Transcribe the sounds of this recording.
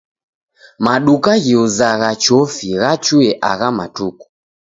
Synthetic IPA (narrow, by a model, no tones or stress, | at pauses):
maɗukaɣiuzaɣat͡ʃɔfiɣat͡ʃuɛʔaɣamatuku̥